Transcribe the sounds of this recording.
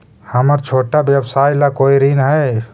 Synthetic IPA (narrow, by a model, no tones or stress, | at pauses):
həməɾt͡ʃʰoːʈabjəbsajlakoiɾinɦɛ